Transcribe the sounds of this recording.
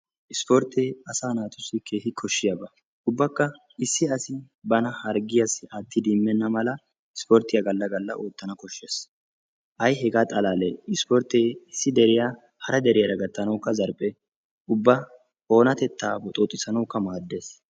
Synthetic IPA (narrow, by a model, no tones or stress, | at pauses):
ʔɪspɔɾt̪eːɐsaːnaːt̪ʊsːɪkʰeːhɪkʰɔʃːɪjɐbɐ | ʔʊbːɐkːɐ | ɪsːɪɐsɪ | bɐnɐhɐɾɡɪjɐsɪʔaːt̪ːɪd̪imːɛnːɐmɐlɐ | ɪspɔɾt̪ːɪjɐɡɐlːɐɡɐlːɐʔo̞ːt̪ːɐnɐkɔʃːeːs | ʔɐjɦɛɡaːt̪ʼɐlaːlɛɪspɔɾt̪eːɪsːɪd̪ɛɾɪja | hɐɾɐd̪ɛɾɪjɐɾɐɡɐt̪ːɐnɐwkːɐzɐɾpʼːɛ | ʊbːɐ | o̞ːnɐt̪ɛt̪ːaːbɔt̪ʼoːt̪ʼːɪsɐnɐwkːɐmaːd̪ːeːs